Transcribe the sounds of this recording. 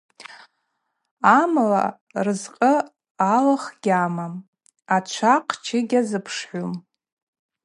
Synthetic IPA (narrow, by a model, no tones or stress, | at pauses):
amla̰ | rɨzqʼə | alaχɡʲamam | at͡ʃʷʰaqʼʰt͡ʃʰɪɡʲazɨpʰʂħʷum